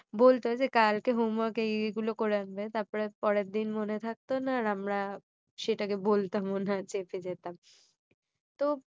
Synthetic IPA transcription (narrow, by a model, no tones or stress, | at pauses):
bolt̪eɦɔd͡ʑekalkeɦumakeeɡulokoɾeanbet̪aɾpɔɾepɔɾeɾd̪inmonet̪ʰak̚t̪onaːɾamɾa | ʃeʈakebolt̪amonat͡ɕepʰed͡ʑet̪am | t̪o